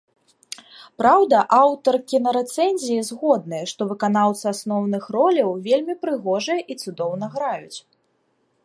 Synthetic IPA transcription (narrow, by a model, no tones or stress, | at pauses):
pɾawd̪ɐʔawt̪ɐrkʲinɐɾɛt̪sɛnʲzʲijizɣɔd̪nɨjɐʂt̪ɔvɨkanawt̪sɨasnɔwnɨxrɔlʲɐwvʲelʲmʲipɾɨɣɔʐɐjɛʔit̪sud̪ɔwnɐɣɾajut͡sʲ